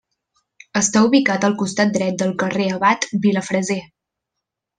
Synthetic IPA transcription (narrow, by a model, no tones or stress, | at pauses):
əst̪auβikat̪əlˠkust̪at̪̚d̪ɾɛt̪̚d̪əlˠkəreəβat̪biləfɾəze